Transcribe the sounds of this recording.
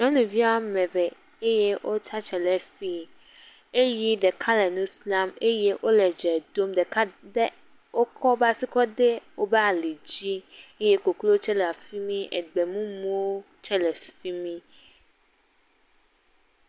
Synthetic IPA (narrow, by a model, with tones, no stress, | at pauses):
ɲɔ̃˦nũ˨vi˦a˦mɛ̃˨vɛ˨ | e˦je˦wʔo˦t͡ʃa˦t͡ʃɛ˨lɛ˨fi˦ | e˦ji˦ɖɛ˨kʰa˦lɛ˨nũ˦sla˦me˦je˦ʔo˦lɛ˨d͡ʒɛ˨d̪o˦mdɛ˨ka˦dɛ˦ | wo˦kʰɔ˦ba˦si˦kɔ˦de˦wo˦bɛ˦a˨li˨d͡ʑi˦e˦je˦ko˨klo˦t͡ʃɛ˦lɛ˨a˨fi˦mĩ˦ʔɛ˨ɡ͡bɛ˨mũ˦mõ˦wo˦ | t͡ʃɛ˦lɛ˨fi˦mĩ˦